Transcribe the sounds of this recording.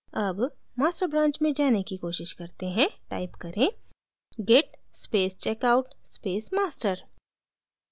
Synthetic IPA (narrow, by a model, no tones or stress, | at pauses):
ɐbmaːsʈəɾbɾãːɲt͡ʃmẽd͡ʒaːnekikoːʃɪʃkɐɾt̪eɦɛ̃ʈa̰ːɪpkɐɾʔẽ | ɡeːʈspeːst͡ʃɛːkaːʊʈspeːsmaːsʈəɾ